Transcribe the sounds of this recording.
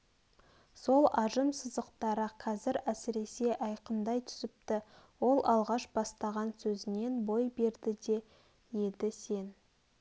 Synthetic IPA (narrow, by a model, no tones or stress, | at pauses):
so̞lˠɑʒəmsəzəqt̪ɑɾəqʰɑzɪɾæsɪɾe̞se̞ʔɑjqənd̪ɑjt̪ʰʏ̥zɪp̚t̪ɪwo̞lˠɑlˠʁɑʃb̥ɑst̪ɑʁɑnsɵzɪne̞nbo̞jbe̞ɾd̪ɪd̪e̞ | je̞d̪ɪse̞n